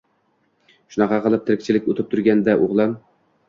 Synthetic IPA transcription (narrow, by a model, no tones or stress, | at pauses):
ʃʊnɑqʰɑqɨlˠɪp̚t̪ʰɪɾɪkʲt͡ʃʰɪlɪkʲot̪ʰɪp̚t̪ʰʊɾɡʲand̪aʔʊʁlˠɑm